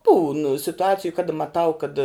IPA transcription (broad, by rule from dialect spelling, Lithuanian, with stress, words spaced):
buːn sʲɪtʊˈɑːt͡sʲɪjʊ kɐdɐ mɐˈtɐʊ kɐt